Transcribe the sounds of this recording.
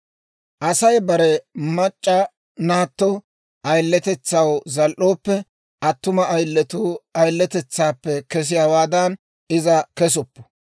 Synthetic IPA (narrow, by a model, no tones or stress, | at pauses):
ʔɐsɐjbɐɾɛmɐt͡ʃʼːɐ | naːt̪ːɔ | ʔɐjlːɛt̪ɛt͡sːɐwzɐlʔoːpːɛ | ʔɐt̪ːʊmɐɐjlːɛt̪uːɐjlːɛt̪ɛt͡sːaːpːɛkɛs̬ɪjaːwaːd̪ɐn | ɪzɐkɛs̬ɔpːɔ̥